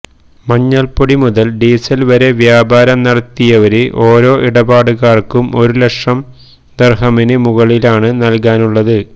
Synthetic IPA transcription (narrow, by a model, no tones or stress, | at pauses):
mɐɲːɐlpoɽimuðɐlɖiːsɐlʋɐɾe̞ʋjaːbaːɾɐmnɐɽɐt̪ːijɐʋɐɾeʔo̞ːɾo̞ːʔiɽɐbaːɽɨɣaːrkumʔo̞ɾulekʂɐm | d̪ɐrɦɐminɨmuɣɐɭilaːɳɨnɐlk̬aːnuɭːɐðɨ